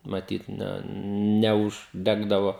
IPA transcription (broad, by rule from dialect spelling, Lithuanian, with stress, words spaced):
mɐˈtʲiːt ˈnʲɛ nʲɛʊʒʲˈdʲæːɡdɐʋoː